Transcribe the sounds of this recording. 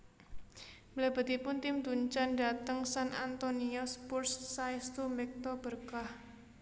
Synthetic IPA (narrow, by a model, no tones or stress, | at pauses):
mlɛb̥a̤t̪ipʊnt̪ɪmd̪uɲt͡ʃandat̪əŋsanʔa̰nt̪oniɔspursːaist̪umɛk̚t̪ɔb̥ərkah